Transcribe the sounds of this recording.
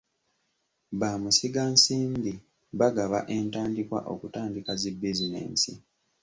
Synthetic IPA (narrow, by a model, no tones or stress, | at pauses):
βaːmusiɡansiːmbi | βaɡaβa̰ʔe̞ːntaːndikwa̰ʔo̞̰kutaːndikazebːizinḛːnsḭ